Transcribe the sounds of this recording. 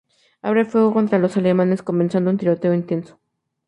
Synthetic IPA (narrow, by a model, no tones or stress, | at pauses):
a̰βɾefweɣokont̪ɾalosalemaneskomensand̪ount̪iɾot̪eoint̪enso̥